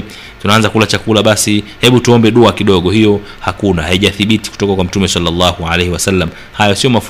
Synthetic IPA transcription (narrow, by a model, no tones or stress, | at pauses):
tunaanzakulat͡ʃakulaɓasihɛɓutuɔmbɛɗɔakiɗɔɠɔhijɔ | hakunahaiʄaθiɓiti̥ku̥tɔkakwam̩tumɛsalːalːahua̰lehɛwasalːam̩ | hajɔsiɔmaf